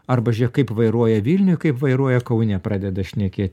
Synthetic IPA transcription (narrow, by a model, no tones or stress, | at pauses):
ɐrbɐʒʲɛkɐɪpʋɐɪɾuɔjɛʋʲiːlʲnʲʊjkɐɪpʋɐɪɾuɔjɛkɐʊnʲɛpɾɑːd̪ʲɛd̪ɐʃʲnʲɛkʲeːt̪ʲ